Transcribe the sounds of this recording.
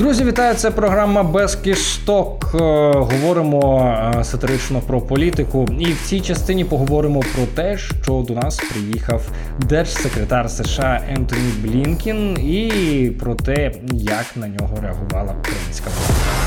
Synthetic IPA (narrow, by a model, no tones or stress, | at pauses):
d̪ɾuzʲiʋʲit̪ɑjʊt̪sɛpɾɔɦɾamɐbɛskʲɪʃt̪ɔkɦɔʋɔɾɪmɔsɐt̪eɾɪt͡ʃnɔpɾɔpɔlʲit̪ɪkʊiwt͡sʲijt͡ʃɐst̪ɪnʲipɔɦɔʋɔɾɪmɔpɾɔt̪ɛʃt͡ʃɔd̪ɔnɑspɾɪjixɐw | d̪ɛrʃsekɾet̪ɑrseʃɑʔɛnt̪ɔnʲijblʲinkʲinipɾɔt̪ɛ | jɐknɐnʲɔɦɔɾeɐɦʊʋɑlˠɐukɾɐ̰jinʲsʲkɐpɔ̰ɐ